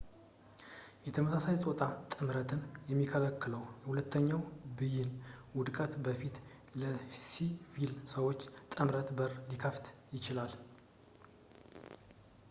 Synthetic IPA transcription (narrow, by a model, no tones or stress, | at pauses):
jɛt̪ʰəməsasajsʼot̪ʼat̪ʼɨmɾət̪ʰɨnjɛmːikʰələkːɨləwjɛhulət̪ʰːəɲːawbɨjːɪnwʊd̪kʼət̪bəfit̪ | ləsifilsəwo̞t͡ʃːt̪ʼɨmɾət̪bəɾlikʰəft̪jɪt͡ʃɪlal